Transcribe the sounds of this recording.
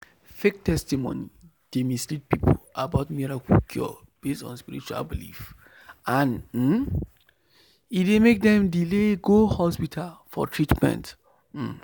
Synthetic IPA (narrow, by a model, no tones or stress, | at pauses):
fek̚tɛstimõ̰ni | d̥emistɹit̚pipʰolabaʊtmiɹakʰukʰjɔ̰ | b̥estɔ̰̃nspiɹit͡ʃua̰lbilḭf | ʔãnm̩ | idemek̚dɛ̃mdileɡohɔspitʰalfɔ̰tʰɹitmɛ̰̃nt | m̩